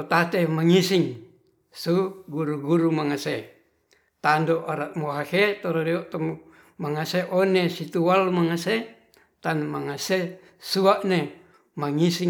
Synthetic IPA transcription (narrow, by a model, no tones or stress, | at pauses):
ot̪at̪emaŋisiŋ | suɡuɾuɡuɾumaŋase | t̪andoʔaɾat̪moɦahet̪oɾoɾioʔt̪o | maŋaseʔonesit̪uwalmaŋase | t̪anmaŋase | suaʔne | maŋisi